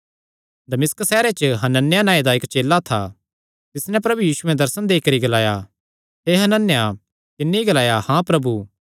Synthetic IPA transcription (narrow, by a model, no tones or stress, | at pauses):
d̪ɐmɪsksɛːɾet͡ʃəɦɐnənjanãːid̪aɪkt͡ʃeːlːat̪ʰa̰ | t̪ɪsnɛ̃pɾɐbujiːsuɛ̃d̪ɐɾsənd̪eːkɐɾiɡɐlaːja | ɦeɦɐnənːja | kɪnːeiɡɐlaːjahãpɾɐbuː